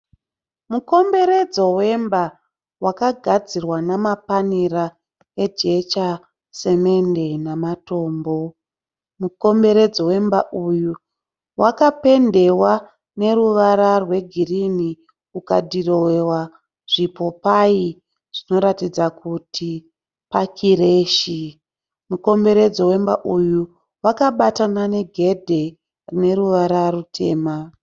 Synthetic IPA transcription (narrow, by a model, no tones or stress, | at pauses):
muko̞mbe̞ɾe̞d͡zo̞we̞mba | wakaɡʱad͡zirwanamapaniɾa | e̞d͡ʒe̞t͡ʃa | se̞me̞nde̞namato̞ːmbo̞ | muko̞mbe̞ɾe̞d͡zowe̞mbaʔuju | wʔakape̞nde̞wa | ne̞ɾuʋaɾarwe̞ɡʱirini | uka̰dʱiro̞wewa | ʐ̥ipo̞pai | ʐ̥ino̞ɾatid͡zakutʰi | pakʰiɾeːʃi | muko̞mbe̞ɾed͡zo̞we̞mba̰ʔuju | wakaɓatanane̞ɡʱe̞dʱe̞ | rine̞ɾuʋaɾaɾutʰe̞̰ːma